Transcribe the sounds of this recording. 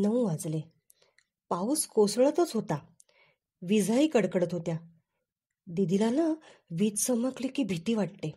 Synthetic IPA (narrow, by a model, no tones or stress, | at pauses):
nəũʋad͡zle | pauskosɭət̪ət͡sɦot̪a | ʋid͡zʱaikəɽkəɽət̪ɦot̪ja | d̪id̪ilala | ʋit̪səməklikiːbʱit̪iːʋaʈʈ̪e